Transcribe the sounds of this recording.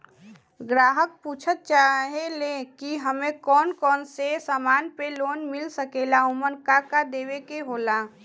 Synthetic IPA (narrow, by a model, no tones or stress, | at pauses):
ɡɾaːɦək̚puːt͡ʃʰət̪̚t͡ʃaːɦelekiɦəmẽkɔːnkɔːnsesaːmaːnpeloːnmɪlsəkeːlaʊmənkakad̪eːʋekeɦoːla